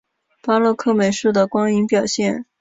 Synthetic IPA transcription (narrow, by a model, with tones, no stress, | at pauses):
pa˥lwɤ˥˧kʰɤ˥˩me˨˩ɪʂu˥˩d̪ə˩kwɑ˥ŋi˧˥ŋpjɑ˨˩ʊɕjɛ˥˩n